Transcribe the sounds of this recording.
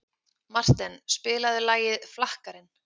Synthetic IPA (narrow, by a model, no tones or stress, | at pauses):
mar̥t̪ɛnspɪːlaðɪlaːjɪðflahkaɾɪn